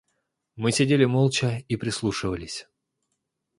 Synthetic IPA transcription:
mɨsʲɪdʲelʲɪmolˠt͡ɕəipɾʲɪslˠuʂɨvəlʲɪsʲ

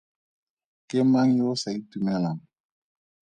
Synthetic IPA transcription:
kemaŋjosaitumɛlaŋ

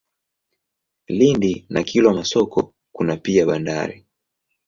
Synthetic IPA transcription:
lindinakʰilamasɔkʰɔ | kunapiaɓanda̰ɾḭ

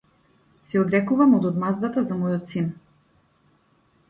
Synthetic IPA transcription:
sɛɔd̪ɾɛkuvamod̪od̪mazd̪at̪azamɔjɔt̪sin

